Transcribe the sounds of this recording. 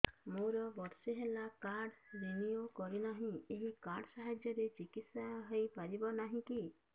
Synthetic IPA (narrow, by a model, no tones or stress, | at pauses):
moɾɔbɔɾsiɦelakaɾɖɾiniokɔɾinaɦĩeɦikaɾɖsaɦad͡ʒjɔɾet͡ʃikit̪saɦejpaɾibɔnaɦĩki